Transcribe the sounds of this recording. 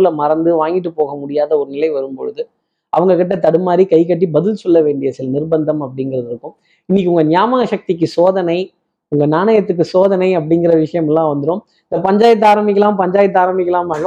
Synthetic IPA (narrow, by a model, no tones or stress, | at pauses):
lɐmɐɾɐnd̪ɯʋaːŋɡɪʈ̬ːɯpoːɣɐmʊɽɪjaːðɐɔɾɯnɪlɐɪʋɐɾɯmpɔɻɯðɯ | ʔɐʋɐŋɡɐkɪʈ̬ːɐt̪ɐɽɯmaːɾikɐɪkːɐʈːibɐðɪlsɔlːɐʋeːɳɖɪjɐsɪlɐnɪrbɐnd̪ɐmɐpːɐɽɪŋɡɪɾɐðɪɾɯkːɯ̃m | ɪnːɪkːɯʊŋɡɐnjaːmɐɣɐʂɐk̚t̪ɪk̬ːɯsoːðɐnɐɪ | ʊŋɡɐnaːnɐjɐt̪ːɯkːɯsoːðɐnɐɪɐp̬ːɐɽɪŋɡɪɾɐʋɪʂɐjɐmɛlːãːʋɐnd̪ɯɾõːm | ɪɪnd̪ɐpɐɲd͡ʒaːjɐt̪̬ːaːɾɐmbɪk̬ːɐlaːmpɐɲd͡ʒaːjɐt̪ːaːɾɐmbɪkʲːɐlaːmɐːɻɯ